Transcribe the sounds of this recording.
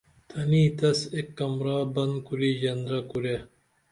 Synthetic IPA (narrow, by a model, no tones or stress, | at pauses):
t̪ʰɐniːt̪ɐsekːɐmɾaːbɐnkuɾiːʑɐnd̪ɾɐkuɾe